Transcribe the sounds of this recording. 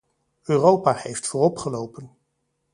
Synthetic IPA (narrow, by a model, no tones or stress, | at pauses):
øːrowpaːhejftfʊːrɔpχəlowpən